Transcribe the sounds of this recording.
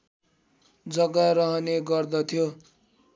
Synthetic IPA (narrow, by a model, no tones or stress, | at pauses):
d͡zʌɡaɾʌɦʌneɡʌrd̪ʌt̪ʰjo